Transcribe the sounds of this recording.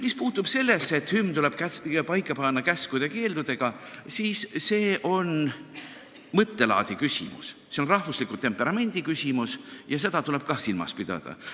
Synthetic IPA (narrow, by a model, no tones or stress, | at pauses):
mispuːt̪ːˑub̥se̞lːesːe̞t̪hymːt̪ule̞b̥kæpɑjkːˑɑpɑnːɑkæskud̪̥eke̞ːld̪ud̪e̞ɡ̥ɑ | siːsːe̞ːʔo̞n | mɤt̪ːe̞lɑ̰ːd̪ikysʲḭmṵsseo̞nrɑhvuslikˑut̪ːe̞mpːˑe̞ɾɑme̞nʲd̪̥ikysʲimusjɑs̬e̞d̪̥ɑt̪ule̞b̥̚kɑhsilmɑ̰spid̪̥ɑ̰d̪̥ɑ̰